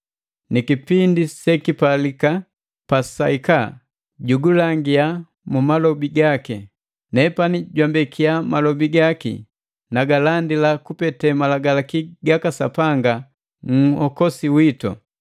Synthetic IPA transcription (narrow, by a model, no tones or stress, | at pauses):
nikipindisɛkipalika | pasaika | ɟuɡulaŋɡia | mumalɔbiɡaki | nɛpaniɟwambɛkʰiamalɔbiɡakḭ | naɡalandilakupɛtɛmalaɡalakiɡakasa̰paŋɡa | ŋ̩hɔkɔsiwitɔ̰